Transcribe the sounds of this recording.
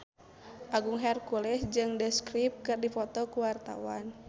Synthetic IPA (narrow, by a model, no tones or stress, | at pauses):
ʔaɡuŋɦɛrkulɛsd͡ʒɨŋdɛskɾip̚kɨrdifɔt̪ɔkuwart̪a̰wa̰n